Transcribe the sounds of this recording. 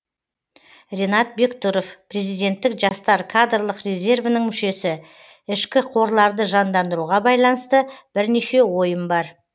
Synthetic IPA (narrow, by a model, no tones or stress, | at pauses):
rʲe̞nɑt̪̚be̞kt̪uɾofpre̞zijd̪ʲe̞nt̪ːɪkʒɑst̪ɑɾkʰad̪rlˠəqre̞zʲe̞rvənəŋmʏʃe̞sɪ | ɪʃkʲɪqʰo̞ɾlˠɑɾd̪əʒɑnd̪ɑnd̪əɾuʁɑbɑjlˠɑnəst̪əb̥ɪɾneʃe̞wo̞jəmbɑɾ